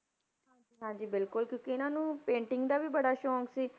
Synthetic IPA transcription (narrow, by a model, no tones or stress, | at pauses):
ɦãːd͡ʒiːɦãːɲd͡ʒiːbɪlkʊlkjõːkiɪnãːnũːpẽːɳʈɪ̃ŋɡd̪aːbiːbəɽaːʃɔ̃ːŋksiː